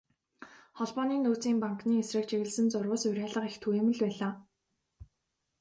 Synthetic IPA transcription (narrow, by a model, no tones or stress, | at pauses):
χɔɮpɔːniːnoːt͡siːmpaŋkniːesrɘ̆k̚t͡ɕʰeɣɘ̆ɮsɘ̆nt͡sʊrʊ̆ːsʊɾʲæːɮə̆qixt̪ʰujeːmɘ̆ɮpæːɮaː